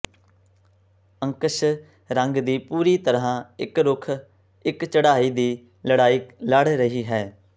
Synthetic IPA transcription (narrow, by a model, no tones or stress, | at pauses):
əŋkəʃ | ɾəŋɡd̪iːpuːɾiːt̪əɾãːɪkɾʊkʰ | ɪkt͡ʃəɽaːiːd̪iː | ləɽaːiːləɽɾəɦiːɦɛː